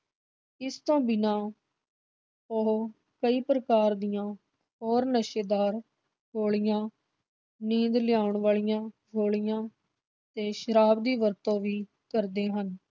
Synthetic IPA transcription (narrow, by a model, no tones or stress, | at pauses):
ɪst̪õːbɪnãː | o | kəiːpɾəkaːɾd̪ɪjãː | ɦɔːɾnəʃeːd̪aːɾ | ɦoːɭɪjãː | nĩːd̪ljaːʊɳʋaːɭɪjãː | ɦoːɭɪjãː | t̪ẽːʃəɾaːbd̪iːʋəɾt̪õːʋiː | kəɾd̪eːɦən